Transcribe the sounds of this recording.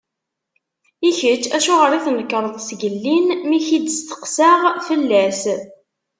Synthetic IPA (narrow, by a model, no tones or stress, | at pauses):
içət͡ʃːæʃuʁəɾiθnəkːɾˤəðˤsɡəlːinmiçid̪əst̪ə̥qsaʁfəlːæs